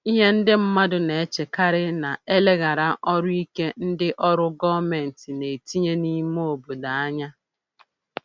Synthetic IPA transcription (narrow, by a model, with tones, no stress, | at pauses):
i˦ɦe˦n̩˦dɪ˦m̩˦ma˦dʊ˨ne˨e˦t͡ʃe˨ka˦ɾɪ˦na˨e˦le˦ɣa˨ɾa˦ʔɔ˦ɾʊ˦i˦ke˦n̩˦dɪ˦ʔɔ˦ɾʊ˦ɡɔ˦me˨n̩˨ti˨ne˨ti˦ɲe˦ni˦m˦o˨bo˨da˨a˦ɲa˦